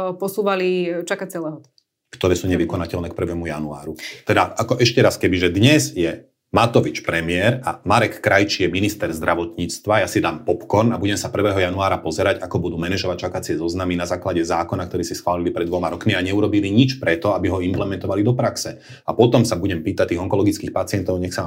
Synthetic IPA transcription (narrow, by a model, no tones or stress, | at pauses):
pɔsuːʋalit͡ʃakat͡siɛlɛɦɔt̪ | kt̪ɔɾɛːsuːɲɛʋikɔnacɛlnɛːk̚pr̩ʋɛmujanua̰ːɾut̪ɛd̪aakɔʔɛʃcɛɾaskɛbiʒɛd̪ɲɛzjɛ | mat̪ɔʋit͡ʃpɾɛmɪɛɾa̰maɾɛkːɾajt͡ʃijɛminist̪ɛɾzd̪ɾʔaʋɔt̪ɲiːt͡st̪ʋajasid̪aːmpɔpkɔɾnabuɟɛmsapr̩ʋɛːɦɔjanuaːɾapɔzɛɾaɟakɔbud̪uːmɛnɛʒɔʋac̚t͡ʃakat͡sɪɛzɔznaminazaːklaɟɛzaːkɔnakt̪ɔɾiːsisxʋaːlilipɾɛd̪ʋɔmaɾɔkmiaɲɛuɾɔbiliɲit͡ʃpɾɛt̪ɔabiɦɔimplɛmɛnt̪ɔʋalid̪ɔpɾaksɛ | apɔt̪ɔmsabuɟɛmpiːt̪act̪iːɣɔŋkɔlɔɡit͡skiːxpat͡sɪɛnt̪ɔʊɲɛxsa